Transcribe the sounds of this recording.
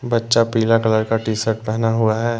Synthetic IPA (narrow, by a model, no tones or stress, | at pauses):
bɐtːʃapiːlakɐləɾkaʈiːsəɾʈ̚pɛɦnaɦʊaɦɛː